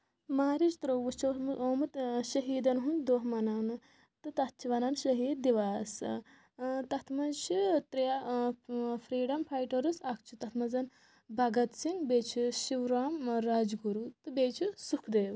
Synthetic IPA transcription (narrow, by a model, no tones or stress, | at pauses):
maːɾit͡ʃt̪ɾoʋust͡ʃʰɐmoːmɐt̪ʃɐɦiːd̪ɐnɦund̪oːɦmɐnanɨ | t̪ɨt̪ɐt̪̚t͡ʃʰiʋɐnɐnʃɐɦiːd̪ːiʋaːs | t̪ɐt̪ʰmɐzt͡ʃʰit̪ɾija | pʰɾiːɖɐmpʰajʈɐɾɨsɐkt͡ʃʰit̪ɐt̪ʰmɐzɐn | bʱɐɡɐt̪siŋɡbeːt͡ʃʰiʃiʋɾaːmɾaːd͡ʒɡuɾut̪ɨbeːt͡ʃʰisukʰd̪eːw